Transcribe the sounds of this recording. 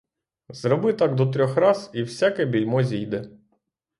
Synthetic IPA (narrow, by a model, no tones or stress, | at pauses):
zɾɔbɪt̪ɑɡd̪ɔt̪̬ɾʲɔxrɑziwsʲakɛbʲilʲmɔzʲijd̪ɛ